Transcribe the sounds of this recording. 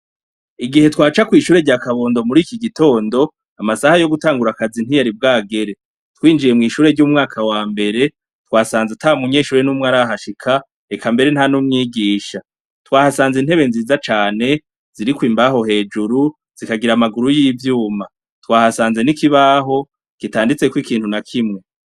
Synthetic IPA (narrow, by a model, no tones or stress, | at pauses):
iɡihe̞twaːt͡ʃakwiːʃuːɾe̞ɟakaβo̞ːndo̞muɾiːkiɡito̞ːndo̞ | amasahajo̞ɡutaːŋɡuɾakazin̥ijaɾib̚ɡaːɡe̞ɾe̞ | twiːnd͡ʒije̞mŋiːʃuːɾe̞ɾɟuːmŋaːkʰawaːmbe̞ɾe̞ | twaːsaːnzetʰamuɲe̞ːʃuːɾe̞numŋaɾaɦaʃikʰa | ekʰambe̞ɾe̞n̥hanumŋiːɡiːʃa | twaːhasaːnzin̥he̞βe̞nziːzat͡ʃaːne̞ | z̥iɾikwiːmbaho̞he̞ːd͡ʒuɾu | z̥ikaɡiɾamaɡuɾujiːvjuːma | twaːhasaːnze̞nikiβaːɦo̞ | kitaːndit͡se̞kwikiːnhunakʰimŋe̞